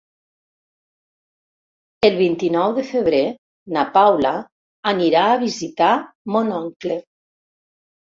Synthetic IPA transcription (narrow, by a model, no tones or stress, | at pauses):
əlˠβint̪inɔwðəfəβɾe | napawlaː | niɾaːβizit̪amonɔŋkle